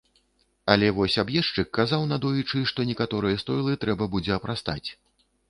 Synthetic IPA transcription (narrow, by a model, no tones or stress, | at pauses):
ɐlʲɛvɔsʲabjɛʂt͡ʂɨkːazawnad̪ɔjut͡ʂɨʂt̪ɔnʲɛkat̪ɔɾɨjɐst̪ɔjlˠɨt̪ɾɛbɐbud͡zʲɛɐpɾast̪a̰t͡sʲ